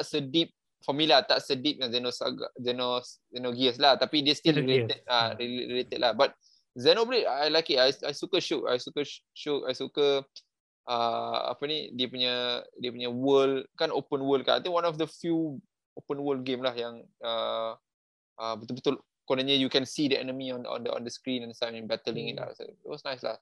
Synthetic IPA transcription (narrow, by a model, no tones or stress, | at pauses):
t̪aʔsədip̚ | familat̪aʔsədip̚jazɛnosa̰ɡa̰zɛnoszɛnoɡiəs̬laht̪apidiəst̪ilileəd̚aiɾilet̪əd̚lʔahbat̪̚ | zɛnoblitajlajkiajajsukəʃuʔ̚a̰jsukəʃuʔa̰jsukə | ʔəa̰pənidiəpuɲədiəpuɲəwəlkanopənwəlkaʔa̰jt̪ĩŋkwanɔfdəfju | opənwəlɡẽmlahjaŋə | ʔəbət̪ʊlbət̪ʊl | konaɲəjukɛ̃nsidəɛnəmiɔ̃nɔ̰̃ndəɔ̰̃ndəskɾĩnɛ̃nsãm̃nbɛt̪əlɪ̃ŋit̚la̰sa̰it̚wɔsnajsla̰h